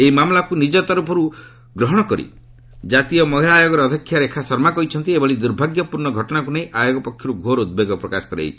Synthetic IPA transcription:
eimamlakunid͡ʒɔt̪ɔɾupʰɔɾu | ɡɾɔɦɔɽ̃ɔkɔɾḭ | d͡ʒat̪iɔmɔɦilaːjoɡɔɾeɔd̪ʱɔkʰːjaɾekʰasɔɾmakɔit͡ʃʰɔnt̪iebɔɭid̪uɾbʱaɡjɔpuɾɳɔɡʱɔʈɔɽ̃akunejʔajoɡɔpɔkʰːjɔɾuɡʱoɾud̪̚beɡɔpɾɔkasɔ̥kɔɾa̰j̰t͡ʃʰi̥

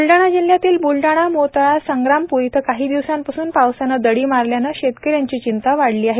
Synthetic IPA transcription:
bulɖaɽ̃ad͡ʑil̤ːjat̪iːlbulɖaɽ̃amot̪ɭasəŋɡɾampujt̪ʰəkaɦiːd̪iʋsãmpəsuːnpawsanad̪əɽiːmaɾljanaɕet̪kəɾjaɲt͡ɕiːt͡ɕint̪aʋaɽliːaɦe

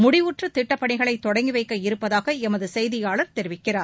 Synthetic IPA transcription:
mʊɽɪʋuʈrɯt̪ɪʈːɐpːɐɳɪɣɐɭɐɪt̪ːɔɽɐŋɡɪʋɐɪkːɐɪɾɯpːɐðaːɣɐɛmɐðɯsɛjðɪjaːɭɐɾt̪ɛɾɪʋɪkːɪraːɾ

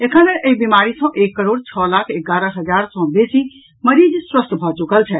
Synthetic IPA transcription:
ekʰãnəʔekbimaːɾisɔ̃ʔeːkːəɾoːɽt͡ɕʰɔːlaːkʰɪɡaːɾəɦɐzaːɾsɔ̃beːsi | mɐɾid͡ʑswəst̪ʰbʱɔːt͡ɕʊkəlt͡ɕʰɛ

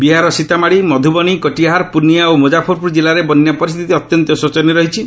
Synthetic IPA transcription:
biɦaɾɔsit̪amaɽimɔd̪ʱubɔɽ̃ikɔʈiaɦaɾpunijaomod͡ʒapʰɔɾpuɾd͡ʒilaɾebɔnjapɔɾist̪ʰit̪iɔt̪jɔnt̪ɔsot͡ʃɔniɾɔɦit͡ʃʰi

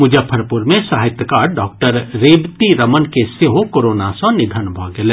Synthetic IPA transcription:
mʊd͡ʒʱapʰəɾpʊɾmẽsaːɦɪt̪jəkaːɾɖɔːk̚ʈəɾːeːbt̪iɾɐmənkeseɦokoːɾoːnasɔ̃nɪd̪ʱənbʱɔɡele

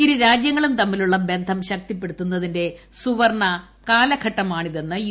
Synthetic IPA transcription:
iɾuɾaːd͡ʑjɐŋːɐɭumt̪ɐmːiluɭːɐbe̞nd̪ʱɐmɕɐk̚t̪ipːe̞ɽut̪ːunːɐðinde̞suʋɐrɳɐ | kaːlɐɡʰʱɐʈːɐmaːɳiðe̞nːɨ

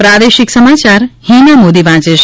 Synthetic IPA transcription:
pɾad̪eʃiksəmat͡ʃaɾhinamod̪iʋãt͡ʃeʃ

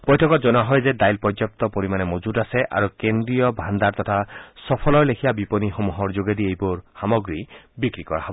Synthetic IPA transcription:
b̥ɔjtʰɔkɔtd͡ʒɔnaɦɔjzedajlpɔd͡ʒɔp̚t̪ɔpoɾimanemod͡ʒudaseʔa̰ɹukend̪ɾiɔbʱand̪aɹt̪ɔt̪ʰasɔpʰɔlɔɹlekʰijabiponixɔmuɦɔɹd͡ʒoɡed̪iejbɔɹxamɔɡɹibikɹikɔɹa̰ɦɔbɔɔ

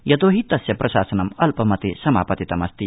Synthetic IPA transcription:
jɐt̪oːɦit̪ɐsjɐpɾʔɐʃaːsɐnɐmɐlpɐmɐt̪esɐma̰ːpɐt̪it̪ɐmɐst̪i

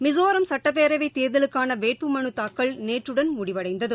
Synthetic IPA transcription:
mɪzoːɾɐmsɐʈːɐpːeːɾɐɪʋɐɪt̪ːeːɾðɐlɯkːaːnɐʋeːʈ̚pɯmɐɳɯt̪aːkːɐɭneːʈrɯɽɐnmʊɽɪʋɐɽɐɪnd̪ɐðɯ

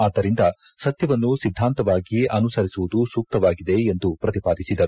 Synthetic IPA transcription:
aːd̪ːɐɾind̪ɐ | sɐt̪jɐʋɐnːusid̪ʱːaːnt̪ɐʋaːɡiɐnusɐɾisuʋud̪usuːk̚t̪ɐʋaːɡid̪e̞ːnd̪upɾɐt̪ipaːd̪isid̪ɐɾu

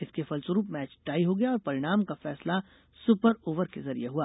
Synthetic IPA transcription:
ɪskefɐlsɾuːpmɛːt͡ʃʈaːiɦoɡɐjaɔːɾpɐɾɪɽ̃aːmkafɛːsla | sʊpəɾoːʋəɾkezɐɾijeɦuaː

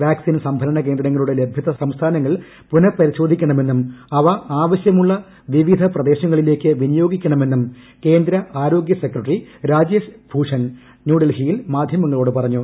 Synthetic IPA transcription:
ʋjaːksinsɐmbʱɐɾɐɳɐk̬eːnd̪ɾɐŋːɐɭuɽe̞lebʱjɐðɐsɐmst̪ʰaːnɐŋːɐɭ | punɐpɐɾiɕo̞ːd̪ʱikʲːɐɳɐme̞nːumɐʋɐaːʋɐɕjɐmuɭːɐ | ʋiʋid̪ʱɐprɐd̪e̞ːɕɐŋːɐɭile̞ːkːɨʋinijoːɡikʲːɐɳɐme̞nːum | ke̞ːnd̪ɾɐʔaːɾo̞ːɡjɐsekɾɐʈriɾaːd͡ʑeːsbʱuːʂɐn | njuːɽɐlɦijilmaːd̪ʱjɐmɐŋːɐɭo̞ːɽɨpɐrɐɲːu

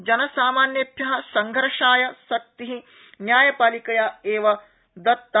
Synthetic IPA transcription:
d͡ʒɐnɐsaːmaːnjɐpjɐɦɐsɐŋɡʱɾɐʂaːjɐsɐk̚t̪iɦi | njaːjɐpaːlikɐjaːeːʋɐ | d̪ɐt̪ːɐ

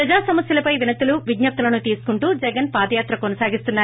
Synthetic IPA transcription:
pɾɐd͡ʒaːsɐmɐsjɐlɐpɐjʋinɐt̪uluʋidɲɐp̚t̪ulɐnut̪iːsu̥kuɳʈuːd͡ʒɛɡɐnpaːd̪ɐjaːt̪ɾɐkonɐsaːɡist̪unːaː

